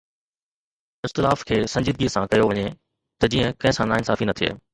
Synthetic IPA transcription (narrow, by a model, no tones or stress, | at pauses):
ɪxt̪ɪlaːfkʰeːsɐ̃ɲd͡ʑid̪̚ɡiːəsãkɐjoʋɐɲe | t̪ɐd͡ʑiːə̃kɐ̃ɦɪ̃sãnaːɪnsaːfinɐt̪ʰiḛ